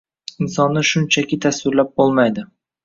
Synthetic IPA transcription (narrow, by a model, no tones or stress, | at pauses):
ɪnsɒnːɪʃʊnt͡ʃʰakʲʰɪt̪ʰaswɪɾlap̚bolˠmajd̪ɪ